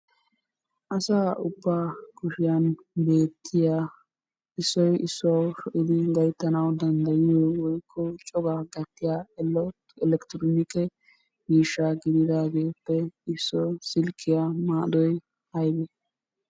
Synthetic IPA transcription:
ʔɐsaːʊbːaːkʊʃɪjɐn | be̞ːt̪ʰːɪjaː | ɪsːɔjɪsːɐwʃɔʔɪd̪ɪɡɐjt̪ːɐnɐwd̪ɐnd̪ɐjɪjoːwɔjkʰːɔt͡ʃʼɔɡaːɡɐt̪ːɪjaːɛl | ɛlɛkt̪ɪɾonɪkːɛ | miːʃːaːɡɪd̪ɪd̪aːɡeːpːɛɪsːɔsɪlkʰːɪjamaːd̪ɔj | hɐjbɛ

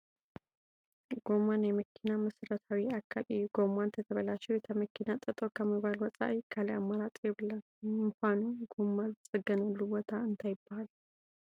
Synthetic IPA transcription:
ɡ̥omanjɛməkʰːinaməsɾət̪ʰawiakʰːalɨjuɡ̥omant̪ʰət̪ʰəβəlat͡ʃːɛwjɛt̪ʰəməkʰːinat̪ʼət̪ʼokʰəmːiβalwɔsʼa̰ʔkʰaljamːaɾat̪ʼɛbɨlən | ɨŋkʷanuɡomːalsʼɨɡːənəlːubot̪ʰaɨnt̪ʰajɪbːaal

